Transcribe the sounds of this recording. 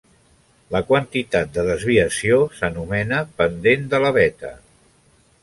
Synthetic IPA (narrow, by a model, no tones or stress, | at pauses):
ləkwənt̪it̪at̪̚d̪əðəzβiəsiosənumɛnəpənd̪end̪ələβɛt̪ə̰